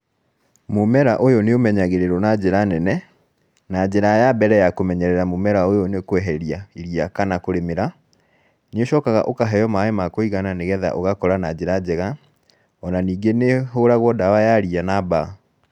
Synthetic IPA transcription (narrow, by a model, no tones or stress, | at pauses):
momɛɾaʔojoneomɛɲaɣeɾeɾonad͡ʑeɾanɛnɛ | nad͡ʑeɾajabɛɾɛjakomɛɲɛɾɛɾamomɛɾaojonekowɛɦɛɾiaiɾiakanakoɾemeɾa | neoɕɔkaɣa̰ʔokaɦɛjɔmaemakoiɣananeɣɛða̰ʔoɣakɔɾanad͡ʑeɾad͡ʑɛɣa | ɔnaniːɡeneɦoɾaɣwɔdawajaɾianaba